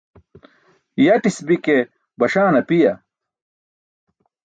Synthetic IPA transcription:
jɐʈisbike | bɐɕaːnɐpijɐ

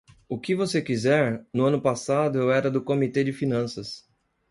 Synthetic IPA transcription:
ʊkɪvosekizɛɾnʊɐ̃nʊpasad̪ʊewɛɾɐd̪ʊkomit̪ed͡ʒɪfinɐ̃sɐs

